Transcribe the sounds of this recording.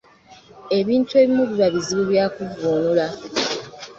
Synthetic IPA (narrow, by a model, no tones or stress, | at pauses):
e̞βiːntue̞ːβimuβuβaβiziβuβjaːkuvuːnula